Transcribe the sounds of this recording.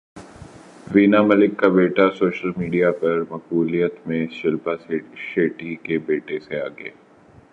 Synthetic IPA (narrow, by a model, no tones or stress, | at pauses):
ʋiːnamɐlɪkːabeːʈasoːʃəlmiːɖijapɐɾmɐquːlijət̪mẽʃɪlpaʃeːʈikebeːʈesea̰ːɡ̰ḛː